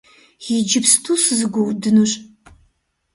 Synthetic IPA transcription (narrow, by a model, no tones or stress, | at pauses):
jid͡ʒɪpstʰusɨzɨɡʷɔwdɨnɨɕʼ